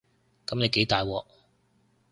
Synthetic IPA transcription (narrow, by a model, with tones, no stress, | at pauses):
kɐ˨˥mne˨˧jke˨˥jt̪aː˨jwɔː˧